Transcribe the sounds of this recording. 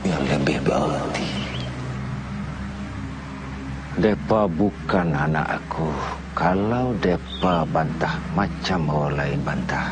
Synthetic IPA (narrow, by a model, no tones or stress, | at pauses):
jaŋləbɛhbaʔa̰lat̪i | dɛpabukanana̰ʔa̰kʰu | kalaudɛpabant̪ahmat͡ʃambawalaɪnbant̪ah